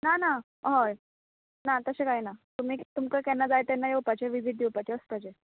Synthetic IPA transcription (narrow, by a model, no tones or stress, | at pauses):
nana | ɦoj | nat̪əsẽkaɦjnat̪um̤iːt̪umkəkɛnːad͡zajt̪ɛnːajewpat͡ɕeʋiʋʱid̪ʱiwpat͡ɕeəspad͡ʑe